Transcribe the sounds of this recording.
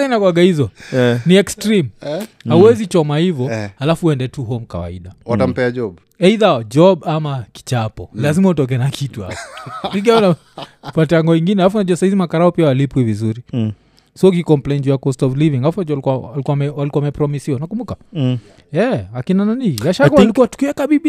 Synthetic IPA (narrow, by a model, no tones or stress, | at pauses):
ainakwaɡahizɔniɛkstɾim | hauwɛzit͡ʃɔmahivɔhalafuɛndɛtuɦɔmka̰wa̰iɗawatam̩pɛad͡ʒɔb | ɛiðad͡ʒɔɓamaki̥t͡ʃapɔlazimautɔk̬ɛɛnakʰituha̰pɔniɡaɔna | fatɛaŋɡɔiŋɡinɛhalafunaʄuwasahizimakaɾaɔpiawalipwivizuɾi | siɔk̬ikɔm̩plɛjnd͡ʒujakɔstɔvliviŋaafuad͡ʒalikuaalikuamɛwalikuaamɛpɾɔmisiwaunakumbuka | ɛakinananiaʃakalikuwatu̥kiwɛkaɓiɓi